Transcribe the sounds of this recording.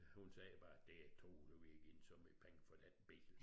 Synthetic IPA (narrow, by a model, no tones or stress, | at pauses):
hunsɛːb̥ɑ̈d̥eæt͡sʰo̝̰ːd̥oʋiɡ̥ensɒ̽me̥pʰeŋfɒd̥ænb̥ḛsl̩